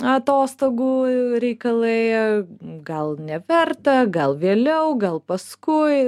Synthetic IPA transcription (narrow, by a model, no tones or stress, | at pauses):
ɐt̪oːst̪oːɡuːɾʲɛɪkɐlˠɐɪ | ɡɐlˠnʲɛʋʲɛrt̪ɐɡɐlˠʋʲeːlʲɛʊɡɐlˠpɐskʊɪ